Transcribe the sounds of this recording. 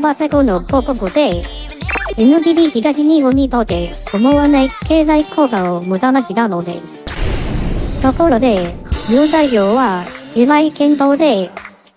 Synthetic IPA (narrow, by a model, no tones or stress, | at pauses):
basaɡonopokɯkɯd̪e̞ | enɯ̟d̪iːdʲiçiɡaɕiɲ̟ihoɲ̟ːit̪ot̪ːe̞omoβanaike̞ːzaikʰoːkaomɯ̟d̪anaɕiɡ̪anod̪e̞̰sɨ̥ | t̪o̞ko̞ɾod̪e̞mɯːzaiɾʲjoːβa | ɯβaikẽ̞nt̪o̞ːd̪e̞